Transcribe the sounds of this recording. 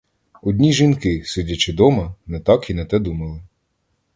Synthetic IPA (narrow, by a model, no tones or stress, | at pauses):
ɔd̪ʲnʲiʒinkɪsɪdʲɐt͡ʃɪd̪ɔmɐnɛt̪ɑkinɛt̪ɛd̪umɐlˠɪ